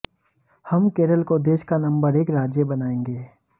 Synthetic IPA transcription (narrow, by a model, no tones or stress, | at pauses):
hɐmkeːɾəlkod̪eːʃkanɐ̃mbəɾeːkɾaːd͡ʒjəbɐnaːẽːŋɡeː